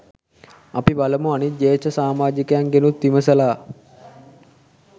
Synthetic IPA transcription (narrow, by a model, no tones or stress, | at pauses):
apibaləmuanit̪̚d͡ʒeːt͡ʃəsaːmaːd͡ʒikəjaŋɡenut̪ːiməsəlaː